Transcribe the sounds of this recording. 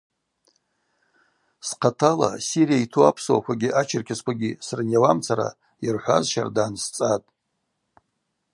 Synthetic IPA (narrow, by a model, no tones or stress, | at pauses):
sqʰatʰala̰sirijaitʰuapʰswakʷaɡʲiʔat͡ʃʰɪrkʲʰaskʷaɡʲisrnjawamt͡sʰaɾa̰ | irħʷazʃa̰rdaːnst͡sʼatʼ